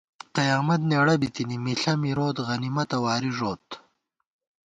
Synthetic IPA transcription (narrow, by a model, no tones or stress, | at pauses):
qɐjaːmɐt̪neːɽɐbit̪inimiɬɐmiɾoːt̪ɣɐnimɐt̪ɐwaːɾiʐoːt̪